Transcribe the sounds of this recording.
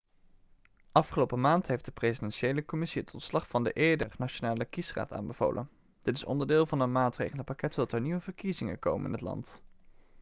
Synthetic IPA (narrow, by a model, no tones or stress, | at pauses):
ʔɑfχəlowpəmaːntɦejfd̥əprezidɛnʃejləkɔmɪsiətʰɔntslɑχfɑndəʔeːdə̰rnat͡ʃonaːləkisra̰ːta̰ːnbəv̥o̰wlʔə̰n | d̥ɪtɪsɔ̰ndəɹdɪːlˠvɑnənmaːtrejχələpɑkɛtɔtɛɹniʋəvəɹkizɪŋə̰ko̰wmə̰nɪ̰nɦətlɑ̰nt